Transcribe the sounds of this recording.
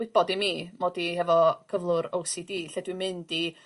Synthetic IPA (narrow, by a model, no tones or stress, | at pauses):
ɪb̥ɔdimiːmodihɛvɔkʰəvlˠʊɾowsidiːɬɛdwimɨndi